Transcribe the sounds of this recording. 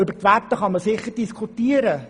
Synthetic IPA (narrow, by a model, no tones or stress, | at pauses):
ʏbərtʋætːəχɑməsɪχəɾd̥iskʰutiəɾə